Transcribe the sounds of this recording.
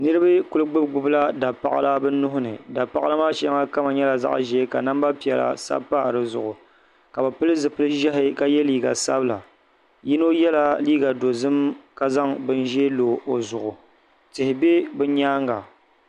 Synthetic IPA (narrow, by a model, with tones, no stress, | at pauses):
nɨ˦ɾɨ˦ba˦kʊ˦lɨ˦ɡ͡bɨ˦bɡ͡bʊ˦bla˦da˨pa̰˦˨a̰˦la˦bɨ˦nʊ˦ɦʊ˦nɨ̰˨da˨pa˦ʔa˦la˦maː˦ʃŋa˦ka˦ma˨ɲɛ˦la˨za̰˦ʔʒɛ˦ka˨na˦mba˦pi˨ɛ˨la̰˨sa̰˦paː˦˨ɾɨ˦zʊ̰˨ʔʊ˨ | ka˨bɨ˨pɨ˦lɨ˦zɨ˨pɨ˦lɨ˦ʒɛ˦ɦɪ˦ka˦jɛ˦liː˦ɡa̰˨sa̰˦bɨ˦la̰˨ | jɪ˦no˦jɛ˦la˦liː˦ɡa˨do˨zɨ˦mka˦za˦ŋbɨ˦nʒeː˦loː˨ʔo˨zʊ˨ʔʊ˨ | tɪ˨hɪ˨be˦bɨ˦ɲaː˦ŋɡa˨